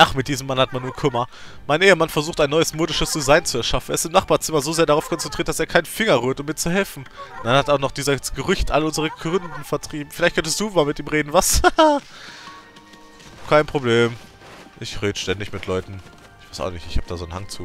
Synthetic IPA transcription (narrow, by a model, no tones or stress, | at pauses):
ʔaχmɪtd̥iːzəmːanhat̚manːuːɐkʰʏmɐ | maɪnʔeːəmanfɛɐzuːχtaɪnɔʏəsmoːdɪʃəsd̥izaɪnt͡suɛɐʃafn̩ʔɛ̰ɐɪstɪmnaχb̥aɐt͡sɪmɐzoːzeːɐdaʁaʊfkʰɔnt͡sɛntʰʁiːɐt̚d̥aseːɐkʰaɪnfɪŋɐʁyːɐtʊmːiːɐt͡suhɛlfn̩d̥anhataʊxnɔχd̥iːzɐsɡ̥əʁʏçtʔa̰ləʊnzəʁ̞əɡʁʏndn̩fɛɐtʁ̥iːb̚m̩fɪlaɪçt̚kʰœntəstd̥uːmaːlmɪtiːmʁeːdn̩vas | kʰaɪnpʁ̥obleːm | ʔɪçʁeːdəʃtɛndɪçmɪtʰlɔʏtn̩ | ʔɪçvaɪsʔa̰ʊxnɪ̰çtɪçhaːb̚d̥aːzoːnhaŋt͡sṵː